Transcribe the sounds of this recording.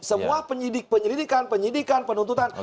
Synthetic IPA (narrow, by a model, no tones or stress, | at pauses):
səmmuapəɲidik̚pəɲəɾidikanpəɲidikanpənunt̪ut̪an